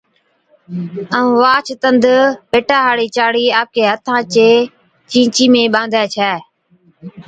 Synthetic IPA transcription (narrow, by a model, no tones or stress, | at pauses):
əũːʋaːt͡ʃʰt̪ənd̪ʱpeːʈaːɦaːɽiːt͡ʃaːɽiːaːp̚kʰeːɦət̪ʰãːt͡ʃeː | t͡ʃĩːt͡ʃiːmẽːɓãːnd̪ʱaːt͡ʃʰɛː